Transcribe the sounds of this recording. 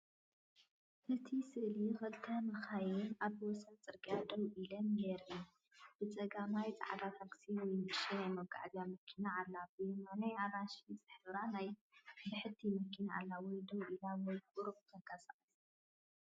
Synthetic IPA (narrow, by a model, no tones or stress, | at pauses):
ʔɨt̪ʰisɨʔlixɐlt̪ʰamɐxajɪnaβwɔsat͡sʼɨɾkʼjad̪ɐwʔilɐmɡeɾɨju | b̥ɨt͡sʼɐɡamajt͡sʼa̰ʕad̪at̪ʰaɡsiwɔjnɨʃanajmɐɡʼa̰ʕzjamɐkʰinaʔalːabɨmanajaɾaʃit͡sʼɨħbɨɾanajt̪ʰɨħɨt̪ʰːimɐkʰːinaalːawɔjd̪ɐwʔilawɔjkʼuɾft̪ʰɐɡasʼaχʼis